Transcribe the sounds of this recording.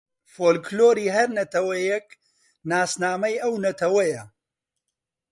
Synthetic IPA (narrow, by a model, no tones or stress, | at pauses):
foːlkloːɾiːɦɐɾnɐt̪ʰɐwɐjɛk | naːsnaːmɐjɐwnɐt̪ʰɐwɐjɐ